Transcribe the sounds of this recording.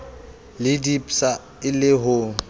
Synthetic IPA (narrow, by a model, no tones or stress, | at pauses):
lɪdipʼsa | ɪlɪɦʊ